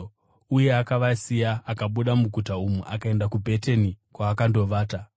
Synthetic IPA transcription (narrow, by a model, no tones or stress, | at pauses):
uje̞akaʋasijaːkaɓuɗamuɡʱutaumuʔakae̞ndakubʱe̞tenikwaːkando̞ʋaːta